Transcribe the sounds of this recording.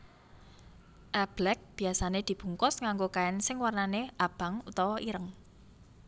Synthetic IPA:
ʔɛb̥lɛk̚b̥i̤asaned̪̥i̤b̥ṳŋkɔsŋaŋɡokaɛnsɪŋwarnaneʔab̥a̤ŋut̪ɔwɔʔiɾəŋ

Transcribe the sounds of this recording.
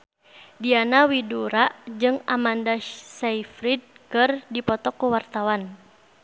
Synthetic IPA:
dianawiduɾaʔd͡ʒɨŋamandasaifɾid̚kɨrdipɔt̪ɔkːuwart̪awan

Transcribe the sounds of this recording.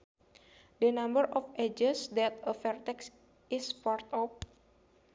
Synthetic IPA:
dənambəɾɔfed͡ʒəsdɛt̪̚əfɛrt̪ɛks | isfart̪ɔp̚

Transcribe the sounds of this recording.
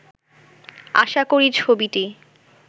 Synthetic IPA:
a̰ʃakoɾit͡ɕʰobiʈi

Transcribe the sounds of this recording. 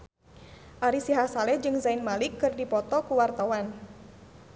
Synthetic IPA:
ʔaɾisiɦasalɛd͡ʒɨŋzaɪnmalɪkːɨrdipɔt̪ɔkuwart̪awan

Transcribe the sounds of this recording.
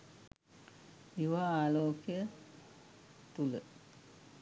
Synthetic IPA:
iʋaaːloːkijə | t̪ulə

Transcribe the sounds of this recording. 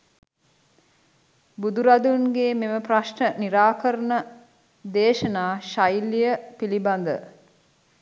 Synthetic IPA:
bud̪uɾad̪unɡeːmeməpraʃɳəniɾaːkəɾənə | d̪eːʃənaːʃajlːijəpiliband̪ə

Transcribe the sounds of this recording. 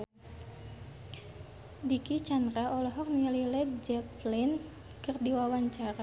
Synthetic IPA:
dikit͡ʃandɾaɔlɔɦɔk̚nililɛt̪̚d͡ʒɛplin | kɨrdiwawaɲt͡ʃaɾa

